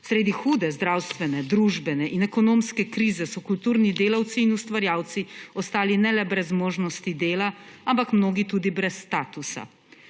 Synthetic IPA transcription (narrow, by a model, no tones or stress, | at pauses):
sɾeːd̪ixuːd̪ɛzd̪ɾaːwst̪ʋɛnɛd̪ɾuːʒbɛnɛʔinɛkɔnoːmskɛkɾiːzɛsɔkult̪uːɾnid̪eːlawt̪siːnust̪ʋaɾjaːwt̪siɔst̪aːlinɛlɛbɾɛzmoːʒnɔst̪id̪eːlaampakmnoːɡit̪uːd̪ibɾɛsːt̪aːt̪usa̰